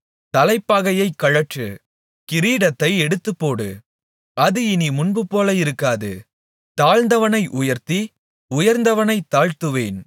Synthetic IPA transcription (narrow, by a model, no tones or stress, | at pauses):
t̪ɐlɐɪpːaːɣɐjɐɪkːɐɻɐʈrɯ | kɪɾiːɽɐt̪ːɐɪɛɽɯt̪ːɯpːoːɽɯ̰ | ɐðɯɪnimʊnbɯpːoːlɐɪɾɯkːaːðɯ̰ | t̪aːɻnd̪ɐʋɐnɐɪʔʊjɐɾt̪i | ʊjɐɾnd̪ɐʋɐnɐɪt̪ːaːɻt̪ɯʋeːn